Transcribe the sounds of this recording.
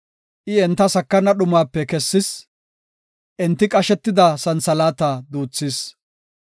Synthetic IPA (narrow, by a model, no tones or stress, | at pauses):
ʔɪɛnt̪ːɐsɐkːɐnɐɗʊmaːpːɛkɛsːɪs | ʔɪnt̪ːɪkʼɐʃɛt̪ːɪd̪ɐsɐnsɐlaːt̪ɐd̪uːt͡sːis